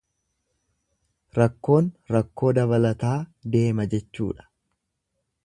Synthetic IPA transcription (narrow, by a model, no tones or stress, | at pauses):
ɾɐkːo̞ːnɾɐkːo̞ːd̪ɐbɐlɐt̪aːd̪e̞ːmɐd͡ʒɛt͡ʃːṵːᶑɐ̥